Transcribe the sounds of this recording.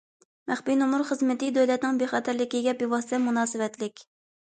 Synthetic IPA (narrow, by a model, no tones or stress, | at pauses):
mæχbinumuɾχəzmɪt̪ɪd̪øwlɛt̪nɪŋbeχɛt̪ʰæɾlɪkʲiɡʲɛbiwɑst̪ɛmunɑːsɨwɛt̪lɪkʲ